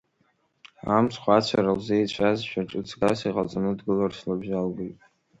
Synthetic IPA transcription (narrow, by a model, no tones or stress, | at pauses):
ħamsʰχʷat͡ɕʷʰaɾalzejt͡ɕʷʰazʃᶣaʈ͡ʂʼɨt͡sʰɡasiqʼa̰t͡sʼanɨdɡɨlarslabʒalɡojtʼ